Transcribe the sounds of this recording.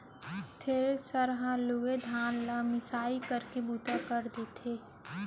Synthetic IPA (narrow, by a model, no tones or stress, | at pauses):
t̪ʰeːɾesəɾɦãluɡed̪ʱaːnlamɪsaːikəɾkebuːt̪akəɾd̪eːt̪ʰeː